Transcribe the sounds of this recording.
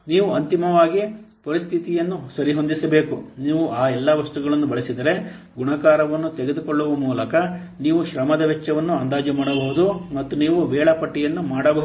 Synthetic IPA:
niːʋuɐnt̪imɐʋaːɡipɐɾist̪ʰit̪ijɐnːusɐɾiɦo̞nd̪isɐbeːkuniːʋuʔaːɛlːɐʋɐst̪uɡɐɭɐnːubɐɭisid̪ɐɾe̞ | ɡuɳɐkaːɾɐʋɐnːut̪ɛɡed̪ukɔɭːuʋɐmuːlɐkɐ | niːʋuʃɾɐmɐd̪ɐʋɛt͡ʃːɐʋɐnːuɐnd̪aːd͡ʒɐmaːɽɐbɐɦud̪umɐt̪ːuniːʋuʋɛːɭɐpɐʈːijɐnːumaːɽɐbɐɦ

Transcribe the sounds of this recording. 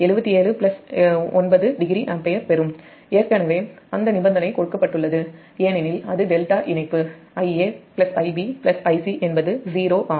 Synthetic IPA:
ɛɻɯbɐt̪ːieːɭɯplɐsɔnbɐðɯɖɪɡɾiʔɐmpɐjɐɾpɛɾɯm | eːɾkɐnɐʋeː | ɐnd̪ɐnɪbɐnd̪ɐnɐɪkɔɽɯkːɐpːɐʈːɯɭːɐðɯ | eːnɪnɪlɐðɯɖɛlʈaːʔɪnɐɪpːɯ | ɐɪeːpɪlɐsɐɪbipɪlɐsɐɪsiʔɛnbɐðɯziːɾoːʔaː

